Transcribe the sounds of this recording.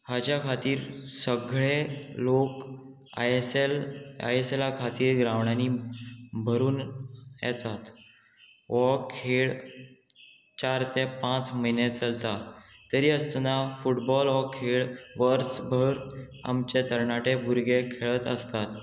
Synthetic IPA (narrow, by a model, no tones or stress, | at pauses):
hat͡ɕjakʰat̪iːɾsəɡɭelok | sela̰jeselakʰat̪iːɾɡɾaʋɳaniːbʱəɾuːnjɛ̰t̪at̪ | ʋɔkʰeɭ | t͡ɕaɾt̪epãt͡sməjnet͡səlt̪at̪əɾiːəst̪nafuʈbɔlʋɔkʰeɭʋəɾt͡sbʱəɾ | a̰mt͡ɕet̪əɾɳaʈebʱuɾɡekʰeɭət̪əst̪at̪